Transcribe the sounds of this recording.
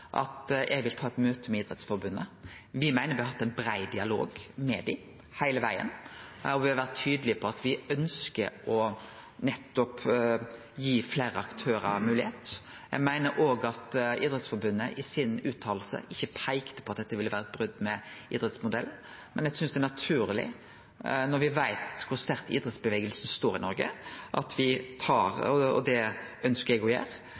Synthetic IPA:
ʔɑ̰t̪ɛ̰ɡʋɪlt̪ʰɑːɛt̪møːt̪ʰəmɛiːd̪ɾɛt̪sfɔɾbʉnːə̰ | ʋɪmæɪnəɾʋɪhɑhɑt̪ːæɪnbɾæɪd̪ɪɑlo̰ːɡmɛd̪ɪ | hæɪləʋæɪə̰nɔʋɪhɑʋæʁt̪ʰːyːd̪əlɪəpʰɔɑt̪ʋɪœnskəɾɔ | nɛt̪ːɔp | jiːfleːɾəɑkt̪ʰøːɾəmʉːlɪheːt̪ | jæɡmæɪnəɾʔoːɡɑt̪ḭːd̪ɾɛt̪sfɔɾbʉnːəʔɪsɪnʉːt̪ʰːɑːll̩sə̰ʔɪçːəpʰæɪkt̪ə̥pʰɔɑt̪̚d̪ɛt̪ːəʋɪlːəʋæːɾəɛt̪̚bɾʉd̪ːmɛḭːd̪ɾʁɛt̪smʊd̪ɛln̩ | mɛnjæsʏnsd̪ɛnɑt̪ʰʉːɾlɪ̰ | nɔɾʋɪʋæɪt̪kʰʊɾst̪æɾkḭːd̪ɾɛt̪sbəʋeːɡəlsn̩st̪oːɾɪnɔɾɡə̰ʔɑt̪ʰʋɪt̪ʰɑːɾɔɔ̰d̪ɛœnskəɾɛɡɔjæ̰ːɾ

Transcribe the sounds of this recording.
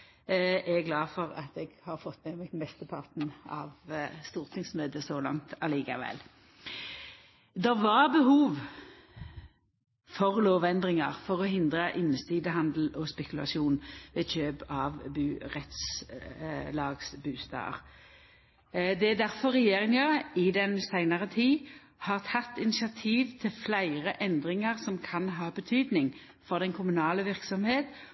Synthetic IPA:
ʔɛɡlɑːfɔʁɑ̰t̪ɛɡhɑʁfɔt̪ːmɛmɛt̪mɛst̪əpʰɑʁt̪n̩ɑ̰ːʋst̪uːʁt̪ʰɪŋsmøːd̪əsoːlɑ̰ŋt̪ɑliːkɑʋɛ̰l | d̪ɛʋɑʁbəhuːʋ | fɔʁloːʋɛnd̪ʁɪŋə̰ʁfɔʁɔɦɪnd̪ʁəʔɪnːəsiːd̪əɦɑnd̪l̩ɔspɛkʉlɑ̰sɪuːnʋeːçøːbɑʋbʉːʁɛt̪s | lɑːɡsbʉːst̪ɑ̰ːə̰ʁ | d̪ɛd̪æʁfɔʁɛjeːʁɪŋjəʁɪd̪ɛnsæɪnəʁət̪ʰiː | hɑːʁt̪ʰɑt̪ːɪnɪsɪɑt̪ʰiːʋt̪ʰɪlflæɪʁəʔɛnd̪ʁɪŋəʁsɔmkʰɑnɦɑːbət̪ʰyːd̪nɪŋ | fɔʁd̪ɛnkʰʊmʉnɑːləʋɪʁksɔmheːt̪

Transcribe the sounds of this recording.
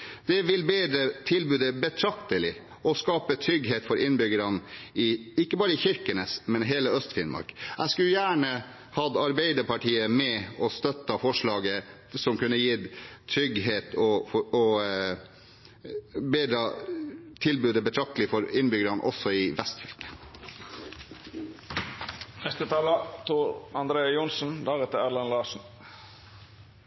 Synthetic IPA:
d̪̥ɛʋɪlbeːd̪ɾət̪ʰɪlbʉːd̪əbət̪ʰɾɑkt̪əlɪ | ɔskɑːpət̪ʰɾʏɡɦeːt̪fɔɾʔɪnbʏɡəɾɑnɪɪkːəbɑːɾəɪçɪɾkənəsmɛnɦeːləœst̪fɪnmɑ̰ɾkæɪskʉljæːɳə | hɑd̪ɑɾbeɪd̪əɾpɑʈʰiːəmɛɔst̪œt̪ːəfɔʂɭɑːɡə | sɔmkʉnːəjit̪ʰɾʏɡɦeːt̪ʰɔɔ | beːd̪ɾɑt̪ʰɪlbʉːd̪əbət̪ʰɾɑk̚t̪əlɪfɔɾɪnːbʏɡəɾɑnʔɔ̰sːɔɪʋɛst̪fʏlkə̥ | nɛst̪ət̪ʰɑːlɑt̪ʰuːɾɑnd̪ɾeːɑjʊnsn̩d̪ɑːɡɛt̪ːəæɾlɑnlɑːʂn̩

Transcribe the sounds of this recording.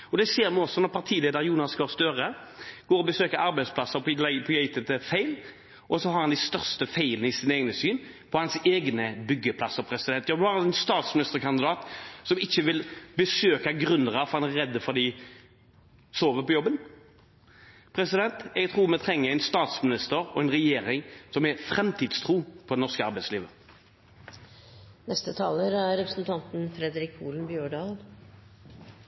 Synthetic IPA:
ɔd̪ɛseːɾmɪɔsːɔnɔʁpʰɑʁt̪ʰiːleːd̪əɾjuːnɑsɡɑːst̪øːɾəɡ̥oːɾɔbəsøːkəɑɾbɛɪd̪spʰlɑsəpʰpʰɔjɛɪt̪ət̪əfæɪl | ʔɔsɔhɑɾhɑnd̪ɪst̪œʁst̪əfæɪlənəɪsɪt̪eːɡnəsyːn | pʰɔhɑnseːɡnəbʏɡːəpʰlɑsːəpʰɾɛsɪd̪ɛnt̪jɑːd̪hɑɾɑɛnst̪ɑːt̪smɪnɪst̪əʁkɑnd̪ɪd̪ɑːt̪sɔmɪçːəʋɪlbəsøːkɑɡɾʉnd̪əʁəfɔɾhɑnæɾɛd̪ːəfɔʁd̪ɪ | soːʋəpɔjɔbːən | pʰɾɛsɪd̪ɛnt̪ɛɡt̪ʰʁuːmɛt̪ʰɾɛŋːəæɪnst̪ɑːt̪smɪnɪst̪əɾɔ̰ɛɪnɾɛjeːɾɪŋsɔmɛfɾɛmt̪ʰiːd̪st̪ʰʁuːpʰɔd̪ɛnɔskəɑɾbæɪtsliːʋə | nɛst̪ət̪ʰɑːləɾæɾɛpɾəsn̩t̪ʰɑnt̪n̩fɾɛd̪ɾɪkʰuːln̩bjøːɖɑːl

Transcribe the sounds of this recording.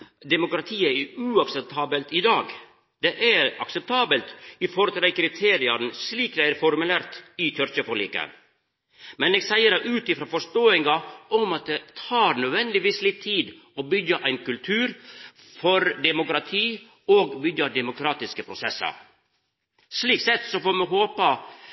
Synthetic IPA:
d̪ɛmʊkɾɑt̪ʰiːəʉːɑksɛp̚t̪ʰɑːbəlt̪ɪd̪ɑːɡ | d̪̥ɛʔæɾɑksɛp̚t̪ʰɑːbəlt̪ɪfɔɾɔt̪ʰɾɛɪkʰɾɪt̪ʰeːɾɪɑn̩sliːkd̪ɛæɾfɔɾmʉlæːɾt̪ɪt̪ʰœɾçəfɔɭḭːkə̰ | mɛneːɡsæɪəɾæʔʉːt̪ɪfɾɑːfɔʂt̪oːɪŋɑɔmɑt̪̚d̪ɛt̪ʰɑːɾnœd̪ʋɛnd̪ɪʋiːslɪt̪ʰːiːd̪ | ɔbʏɡːəʔæɪnkʉlt̪ʰʉːɾ | fɔɾd̪ɛmʊkɾɑt̪ʰiː | oːɡbʏɡəd̪ɛmʊkʰɾɑːt̪ɪskəpʰɾʊsɛsːɑ̰ɾ | sliːksɛt̪sɔfoːmɛɦoːpə

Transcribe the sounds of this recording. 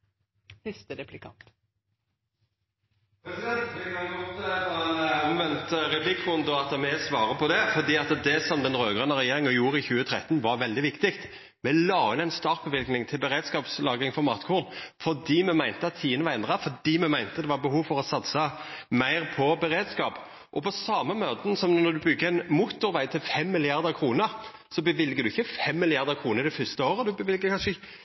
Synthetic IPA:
fɪst̪əɾɛpʰlɪkʰɑ̰t̪ | pɛɛɪkɑnɡɔt̪ɛnɔmʋɛnt̪ʁɛpʰlɪkːʁʊnd̪əɑt̪mɛsʋɑːʁəpʰɔd̪ɛfɔʁd̪iːɑt̪d̪ɛsɔmd̪ɛnʁøːɡʁɑnəʁɛjeːʁɪŋəjuːɾəɪçʉːət̪ʰɾɛt̪ːnʋɑɾʋɛld̪ɪʋɪkt̪ɪkt̪ | mɛlɑːɪnæɪnst̪ɑʁ̚bəʋɪlknɪŋt̪ʰɪlbəʁeːd̪skɑːpslɑːɡʁɪŋfɔmɑːt̪kʰuːʁn̩fɔd̪iːmɛmæɪnt̪əɑt̪t̪ʰiːənəʋɑɛnd̪ʁɑfɔd̪iːmɛmæɪnt̪əd̪ɛʋɑɾbəɦuːʋfɔʁɔsɑt̪səmæɪʁpʰɔbəɾeːd̪skɑːp | ʔɔpʰɔsɑːməmøːt̪nsɔmnnɔd̪ʉbʏɡːəæɪnmuːt̪ːʊɾʋæɪt̪ʰɪlfɛmːɪlɪɑʁd̪əʁkʰʁuːnəɾ | sɔbəʋɪlɡəd̪ʉɪçːəfɛmːɪlɪɑʁd̪əʁkʰʁuːnəɾɪd̪ɛfʏst̪əoːɾəd̪ʉbəʋɪlɡəkʰɑnʃə

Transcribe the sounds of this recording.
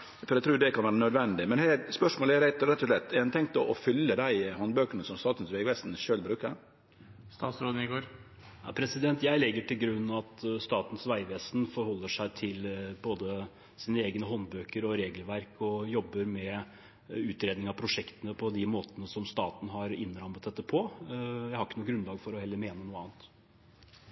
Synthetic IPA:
ɾæɪt̪ʰɾuːd̪ɛkɑnʋæːɾənœd̪ʋɛnd̪ɪmɛnhæɪspœʂmoːlæɾæɪt̪ɾɛt̪ːɔʂlɛt̪ːɛɾɛnt̪ʰɛŋt̪əʔɔfʏlːəd̪æɪhɔnbøːkəɳəsɔmst̪ɑːt̪n̩sʋæɪʋɛsn̩ʂøːlbɾʉːkəɾ | st̪ɑ̰ːt̪sɾoːd̪n̩ɪɡoːɾ | ɑ̰pʰɾɛsɪd̪ɛnt̪jæɪlɛɡːəʈɪlɡɾʉnːɑt̪st̪ɑːt̪n̩sʋæɪʋeːsnfɔɾhɔlːəʂæɪt̪ʰɪlboːd̪ə | siːnəeːɡnəɦɔnbøːkəɾɔɾeːɡlʋæɾkɔjɔbːəɾmɛ | ʉːt̪ɾeːd̪nɪŋɑpʰɾʊʂɛkt̪ənəpʰɔd̪ɪmoːt̪ənəsɔmst̪ɑːt̪n̩ɦɑɾɪnːɾɑmːət̪̚d̪ɛt̪ːəpʰɔjæɪhɑɾɪkːənuːɡɾʉnlɑːɡfɔɾɔhɛlːəɾmeːnənuːəɑːnt̪

